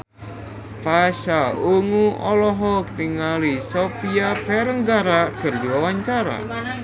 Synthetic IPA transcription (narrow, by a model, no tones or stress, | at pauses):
faʃauŋuʔɔlɔɦɔk̚niŋalisopiafɛɾəŋɡaɾakɨrdiwawaɲt͡ʃaɾa̰